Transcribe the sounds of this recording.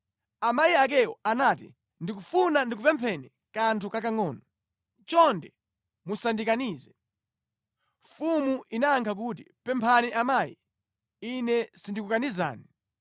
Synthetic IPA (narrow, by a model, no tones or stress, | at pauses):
amajiak̬ɛwɔanatḭ | ndik̬ufunandik̬upɛmpʰɛnɛ | kantʰukakaŋɔːnɔ | t͡ʃɔndɛ | musandikaniːzɛ | fumuʔinaːŋkʰak̬uti | pɛmpʰaniʔamajḭ | inɛsindikukaniza̰ːni